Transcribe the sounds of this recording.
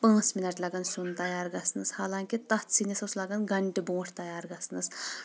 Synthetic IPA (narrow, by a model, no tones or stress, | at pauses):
pãːt͡sminɐʈlɐɡɐnsunt̪ɐjaːɾɡɐsnɨshaːlaːŋkit̪ɐt͡sʰinisɐslɐɡɐnɡɐɳʈibõːʈʰt̪ɐjaːɾɡɐsnɐs